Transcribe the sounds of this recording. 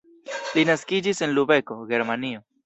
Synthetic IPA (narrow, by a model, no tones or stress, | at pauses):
linaskid͡ʒise̞nlube̞ko̞ɡe̞ɾmanio̞